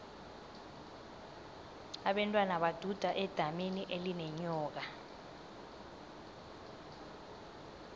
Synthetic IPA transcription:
aɓɛntʼwanaɓad̥ʱud̥ʱaʔɛd̥ʱameniʔelinɛɲɔːk̬a

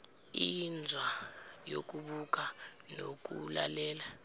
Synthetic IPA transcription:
ind͡zʱwajok̬ʼuɓuk̬ʼanok̬ʼula̰lɛːla

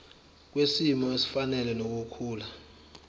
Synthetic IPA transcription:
k̬wesimɔesi̥fanɛlɛnok̬ukʰuːla

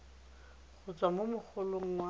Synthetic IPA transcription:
χʊt͡sʼwamomʊk͡xʰʊloŋ̩wa

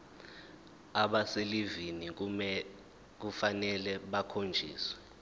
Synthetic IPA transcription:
aɓaselivini | k̬ufanɛlɛɓakʰond͡ʒʱḭːswɛ

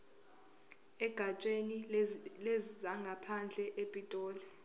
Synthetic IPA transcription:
ɛɡ̥ʱat͡ʃʼenilezzaŋɡʱapʰand͡ɮʱɛʔepʼitʼɔːlɛ

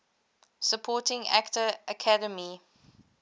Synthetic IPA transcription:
səpʰɔːtɪ̃ŋa̰ktəːkʰadəmi

